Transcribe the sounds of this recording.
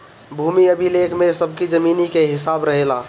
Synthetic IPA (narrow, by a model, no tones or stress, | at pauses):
bʱumiəbʱilekʰmesəbʱkid͡ʒəminikeɦɪsabɾəɦela